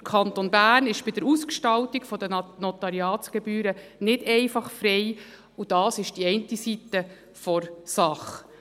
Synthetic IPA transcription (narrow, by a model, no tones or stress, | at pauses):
kʰɑnt̪onbæːrnɪʃb̥ɪd̥əɾuskʃtɑltikfɔdənɔtɑɾiɑːsɡ̥ɛbyːɾənɪdɛɪfɑχfɾɛɪ | ud̥ɑːsɪʃd̥iɛntisit̪ːə | fɔɾsɑχ